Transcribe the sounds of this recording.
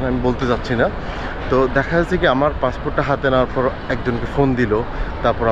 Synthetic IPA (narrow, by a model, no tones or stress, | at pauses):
namibolt̪ed͡ʑatːɕʰina | t̪od̪ɛkʰaat͡ɕʰikiamaɾpaspoɾʈːaɦat̪enawaɾpʰɔɾ | ɛk̚d͡ʑonkefond̪ilot̪aɾpɔɾa